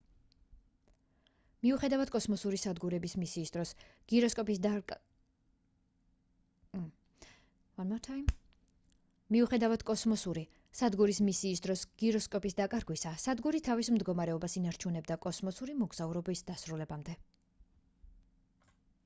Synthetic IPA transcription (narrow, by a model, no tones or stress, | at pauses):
miuχɛd̪avad̪̥kʼɔsmɔsuɾisad̪ɡuɾɛbismisiːsd̪ɾɔsɡ̥iɾɔskʼɔpʼ | amat̪ʰ | miuχɛd̪avad̪̥kʼɔsmɔsuɾi | sad̪ɡuɾismisiːsd̪ɾɔsɡ̥iɾɔskʼɔpʼisd̪akʼaɾɡwisasad̪ɡuɾit̪ʰavismd̪ɡɔmaɾɛɔbasinaɾt͡ʃʰunɛbd̪akʼɔsmɔsuɾimɔɡz̥auɾɔbisd̪asɾulɛbamd̪ɛ